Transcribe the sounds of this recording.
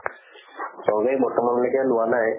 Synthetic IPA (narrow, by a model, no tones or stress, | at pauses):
sɔɡejbɔktɔmɔnlekɛlʊwanaj